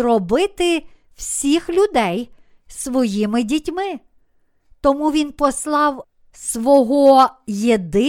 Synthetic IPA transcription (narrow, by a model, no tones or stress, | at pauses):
rɔbɪt̪ɪ | wsʲixlʲʊd̪ɛj | sʋɔjimɪdʲitʲmɪ | t̪ɔmuʋʲinpɔslˠɑw | sʋɔɦɔjed̪ɪ